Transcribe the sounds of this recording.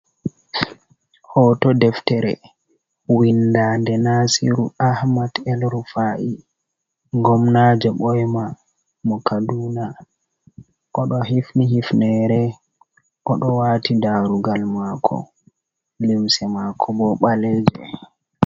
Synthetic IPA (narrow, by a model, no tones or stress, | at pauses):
hɔtɔdɛftɛɾɛ̰ | windandɛnasiɾuahmadɛlɾufaʔi | ŋɡɔmnad͡ʒɛɓɔjma | mɔkaduːna | ʔɔɗɔɦifniɦifnɛɾɛ | ʔɔɗɔwaːtʰidaɾuɡalmakʰɔ̰ | limsɛmakʰɔbɔɓalɛd͡ʒɛ̰